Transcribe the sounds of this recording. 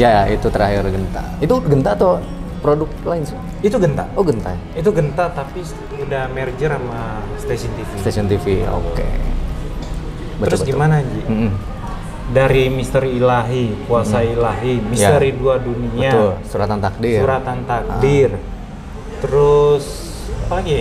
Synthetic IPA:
jaait̪ut̪əɾahɪrɡənt̪a̰ | it̪uɡənt̪at̪o | pɾodʊk̪̚laɪnsi | it̪uɡənt̪a̰oɡənt̪aj | it̪̬uɡənt̪at̪api | udahmɛrd͡ʒəɾama | st̪esiɔnt̪ifist̪esiɔnt̪ifio̰kḛ | bət̪əɾʊsbəɡimanad͡ʒim̩m̩ | daɾimist̪əɾiːlaɦipuasailaɦimisjtaəɾiduaduniəaʊlsuɾat̪ant̪ak̚diuɾat̪ant̪ak̚ə̰ɪr | t̪əɾʊs | apaɡi

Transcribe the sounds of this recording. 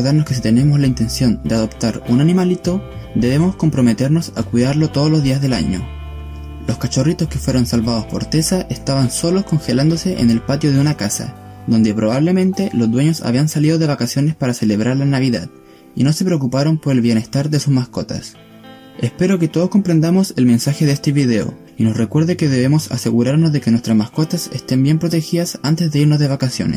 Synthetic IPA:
ðaɾnoske̞s̬it̪e̞ne̞mo̞slaint̪e̞nsjo̞nd̪e̞aðo̞pt̪aɾunanĩmalit̪o̞d̪e̞βe̞mo̞sko̞mpɾo̞me̞t̪e̞ɾno̞sa̰kwiðaɾlot̪oð̞olo̞zðiazðe̞la̰ɲo̞̰ | lo̞skat͡ʃo̞rit̪o̞ske̞fwe̞ɾo̞nsalβaðo̞spo̞̰ɾt̪e̞saʔe̞st̪aβanso̞lo̞sko̞ŋxe̞land̪o̞se̞ʔḛne̞lpat̪jo̞ð̞e̞unakasa̰d̪o̞nd̪epɾo̞βaβle̞mẽ̞nt̪e̞lo̞zðwe̞ɲo̞sa̰βiansaliðo̞ðe̞βakasjo̞nespaɾase̞le̞βɾaɾlanaβ̞iða̰ð | ino̞se̞pɾeok̬upaɾo̞mpo̞ɾelβje̞ne̞st̪aɾðe̞susmasko̞t̪a̰s | espe̞ɾo̞ket̪oð̞osko̞mpɾe̞nd̪amo̞selme̞nsaxe̞ðest̪e̞βiðe̞o̞̰ | ino̞sre̞kwe̞ɾðeke̞ðe̞βemosa̰se̞ɣuɾaɾnozðe̞kenwe̞st̪ɾasmasko̞t̪asest̪e̞mbje̞mpɾot̪e̞xiðasant̪ezðe̞iɾnozðe̞βakasjo̞̰nḛs

